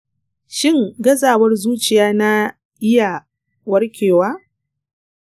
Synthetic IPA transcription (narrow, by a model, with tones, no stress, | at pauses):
ʃɪ˦ŋɡɐ˦zaː˨wɐ˦rzuː˦t͡ʃɪ˨jaː˦na˦ | ʔɪ˦ja˨ | wɐ˦rkʲeː˨waː˦